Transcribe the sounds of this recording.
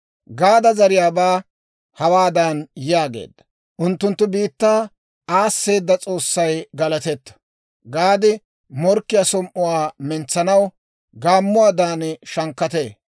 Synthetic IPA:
ɡaːd̪ɐzɐɾɪjaːbaː | hɐwaːd̪anjaːɡe̞̰ːd̪ːɐ̥ | ʔʊnt̪ːʊnt̪ːʊbiːt̪ːaː | aːsːe̞ːd̪ːɐt͡sʼo̞ːsːɐjɡɐlɐt̪ɛt̪ːɐ̥ | ɡaːd̪ɪ | mɔɾkːɪjasɔmʔʊwaːmɛnt͡sːɐnɐw | ɡaːmːʊwaːd̪aːnʃɐŋkːɐt̪eː

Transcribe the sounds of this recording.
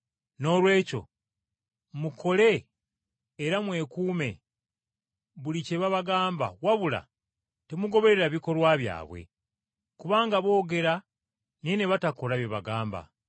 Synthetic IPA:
no̞ːlwe̞ːco̞̰ | mukʰo̞le̞ː | ɾamwe̞ːkuːme̞ | βulice̞βaβaɡaːmba̰waβula̰ | temuɡo̞βe̞ɾe̞ɾaβiko̞lwaβja̰ːβwḛ | kuβaːŋɡaβo̞ːɡe̞ɾa | nineβatako̞laβjeβaɡaːmba̰

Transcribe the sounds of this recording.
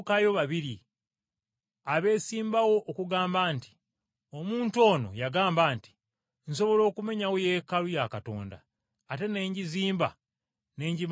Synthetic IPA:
kajo̞βaβiɾi | aβe̞ːsiːmbawo̞ʔːkuɡaːmbaːnti̥ | o̞muːnto̞ːno̞̰jaɡaːmbaːnti̥ | nso̞βo̞lo̞ːkume̞ɲawojeːkalujakato̞̰ːnda̰ː | te̞ne̞ːɲɟiziːmba̰ | ne̞ːɲɟi

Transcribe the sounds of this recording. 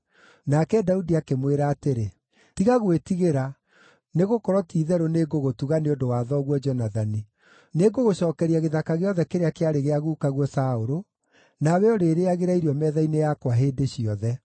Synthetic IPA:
nakɛdaudiakemweɾaːteɾe | tiɣaɣwetiɣeɾa | neɣokɔɾɔtiːðɛɾoneɡoɣotuɣaneondowaðɔɣwɔd͡ʒɔnaðani | neɡoɣoɕɔːkɛɾiaɣeðakaɣeɔðɛkeɾeakeaɾeɣeaɣuːkaɣwɔsaoɾo | naβɛɔɾeɾeaɣeɾaiɾiɔmɛðainejakwaɦeːdeɕiɔðɛ

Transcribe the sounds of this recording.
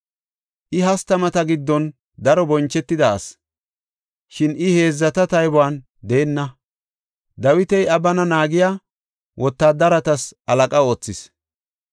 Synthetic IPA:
ʔɪɦɐst̪ɐmɐt̪ɐɡɪd̪ːɔn | d̪ɐɾɔbɔnt͡ʃːɛt̪ːɪd̪ɐ̰ːs | ʃɪnʔɪhe̞ːzːɐt̪ɐt̪ɐjbʊaːn | d̪eːnːɐ | d̪ɐwɪt̪ɛjɐbɐnɐnaːɡɪjaː | wʔɔt̪ːaːd̪ɐɾɐt̪ɐsɐlɐkʼɐo̞ːt͡sːɪs

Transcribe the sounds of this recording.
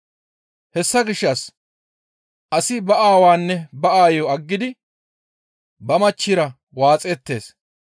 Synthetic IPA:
hɛsːɐɡɪʃːɐs | ʔɐsɪbɐʔaːwaːnːɛbɐʔaːjɔɐɡːɪd̪ɪ | bɐmɐt͡ʃːɪɾɐ | waːt͡sʼɛt̪ːe̞̰ːs

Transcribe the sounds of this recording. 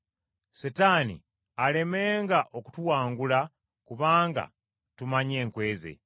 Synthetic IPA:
setanḭ | ale̞meːŋɡaʔo̞ku̥tuwaːŋɡula | kuβaːŋɡa̰ | tumaɲe̞ːŋkwe̞ːze̞̰

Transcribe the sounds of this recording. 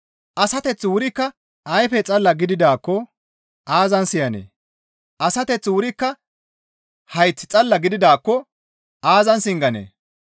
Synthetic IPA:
ʔɐsɐt̪ɛt͡sːwʊɾɪkːɐ | ɐjfɛt͡sʼɐlːɐɡɪd̪ɪd̪aːkːɔ | ʔaːzɐnsɪjɐnḛː | ʔɐsɐt̪ɛt͡sːwʊɾɪkːɐ | hɐjt͡sːɪt͡sʼɐlːɐɡɪd̪ɪd̪aːkːɔ | aːzɐnsɪŋɡɐnḛː

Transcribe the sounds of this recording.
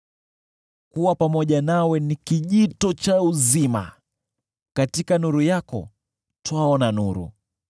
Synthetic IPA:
kuwapamɔʄanawɛnikiʄitɔt͡ʃauzima̰ | katikanuɾujakɔ̰ | twaɔnanuɾṵ

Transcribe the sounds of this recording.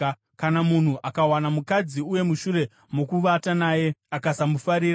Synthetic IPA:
kanamun̤uʔakawanamukad͡ziuje̞muʃuɾe̞ | mokuʋatanaːje̞akasamufaɾiːɾ

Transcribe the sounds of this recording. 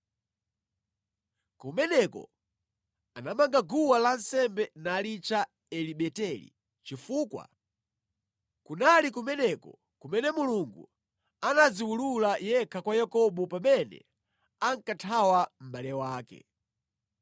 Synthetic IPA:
kumɛnɛkɔ̰ | anamaŋɡaɡuwalansɛmbɛnalit͡ʃa | ɛliɓɛtɛlḭ | t͡ʃifuːkwa̰ | kunalikumɛnɛkɔ̰ | kumɛnɛmuluŋɡṵ | anaziwululajɛkʰakwajakɔɓɔpamɛnɛ̰ | aŋkatʰawam̩ɓalɛwaːkɛ̰

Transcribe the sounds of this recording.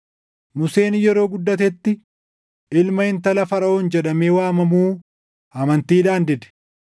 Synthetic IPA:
mʊse̞ːnjɛɾo̞ːɡʊd̪ːɐt̪ɛt̪ːɪ | ɪlmɐɪnt̪ɐlɐfɐɾɐʔoːnd͡ʒɛᶑɐmeːwaːmɐmuː | ɐmɐnt̪iːᶑaːnd̪ɪd̪ɛ̥

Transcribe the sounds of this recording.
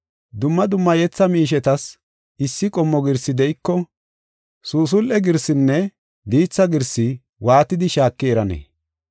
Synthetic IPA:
d̪ʊmːɐd̪ʊmːɐjɛt͡sːɐmiːʃ̬ɛt̪ɐs | ɪsːɪkʼɔmːɔɡɪɾsɪd̪ɛʔɪkːɔ | suːs̬ʊlʔɛɡɪɾsɪnːɛ | d̪iːt͡sːɐɡɪɾsɪ | waːt̪ɪd̪ɪʃaːkːɪɛɾɐnɛ̰ː

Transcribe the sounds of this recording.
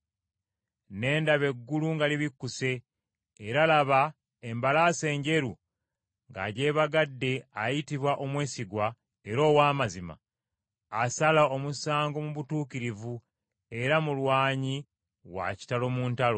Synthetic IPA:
ne̞ːndaβe̞ɡːuluŋɡaliβikːuse̞ː | ɾalaβa | e̞mbalase̞ːɲɟe̞ɾu | ŋɡa̰ːɟe̞ːβaɡadːe̞ajitiβwaʔo̞mwe̞ːsiɡwa | e̞ɾo̞ːwaːmazima̰ː | salao̞musaːŋɡo̞muβutuːkiɾivu | e̞ɾamulwaːɲi | wa̰ci̥talo̞muːntalo

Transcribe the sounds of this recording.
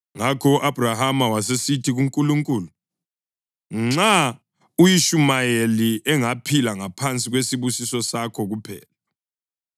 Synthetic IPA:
ŋakʰɔuʔab̥ʱrahamawasesitʰiɣuŋkʼuluŋkʼuːlu | ŋ͡ǁa | ujiʃumajeliʔɛŋapʰilaŋapʰant͡sʼiɣwesiβusisɔsakʰɔɣupʰɛ̰ːla

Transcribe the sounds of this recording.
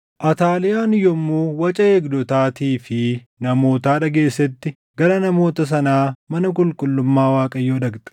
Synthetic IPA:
ʔɐt̪aːlɪjaːnɪjɔmːuːwɐt͡ʃʼɐeːɡd̪ɔt̪aːt̪iːfɪ | nɐmo̞ːt̪aːᶑɐɡe̞ːsːɛt̪ːɪ | ɡɐɾɐnɐmo̞ːt̪ɐs̬ɐnaːmɐnɐkʼʊlkʼʊlːʊmːaːwaːkʼɐjːoːᶑɐɡt̪ɐ̥

